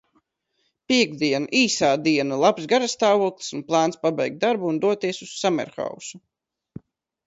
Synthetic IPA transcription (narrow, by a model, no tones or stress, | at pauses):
piɛɡd̪iɛnaʔiːsaːd̪iɛnalˠapsɡaɾast̪aːvuɔklˠi̥sunplˠaːnspabɛjk̚t̪d̪aɾbuːnd̪uɔt̪iɛsusːamɛ̰ɾxa̰wsu